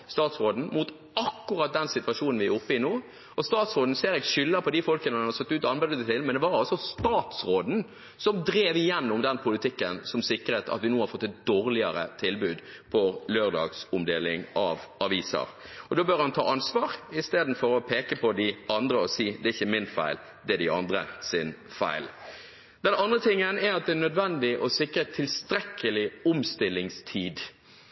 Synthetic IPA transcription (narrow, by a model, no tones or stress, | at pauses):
st̪ɑːt̪sɾoːd̪n̩mut̪ | ɑkːʊɾɑt̪̚d̪ɛnsɪt̪ʋɑʂuːnn̩ʋɪæʊpːəɪnoː | ɔst̪ɑːt̪sʁoːd̪n̩seːɾɛɡʃʏlːəpʰɔd̪ɪfɔlkənəɑɑd̪əsɛt̪ːʉːt̪ɔɑnbæd̪ət̪ʰɪlmɛnd̪ɛʋɑɾɑlsɔst̪ɑːt̪sɾoːd̪n̩ | sɔmd̪ɾeːʋɪjɛnːɔmd̪ɛnpʰʊlɪt̪ʰɪkːənsɔmsɪkːɾət̪ʰɑ̰t̪ʋɪnuːhɑɾfɔt̪ːɛt̪̚d̪oːɾlɪəɾə̰t̪ʰɪlbʉːd̪ | pʰɔløːʁd̪ɑ̰ːɡsʊmd̪eːlɪŋʔɑʋʔɑʋiːsə̰ɾɔd̪oːbœɾhɑnt̪ʰɑ̰ːʔɑnsʋɑːʁɪst̪eːd̪n̩fɔɾɔpʰeːkəpʰɔd̪ɪʔɑnd̪ɾəɔsiːd̪ɛɪçːəmɪnfæɪl | d̪ɛd̪ɪɑnd̪ɾə̰sɪnfæ̰ɪl | d̪ɛnɑnd̪ʁət̪ʰɪŋːənæɾɑt̪̚d̪ɛænœd̪ʋɛnd̪ɪʔɔsɪkːɾət̪ʰːɪlst̪ɾɛkʰːəlɪʊmst̪ɪlːɪŋst̪ʰiːd̪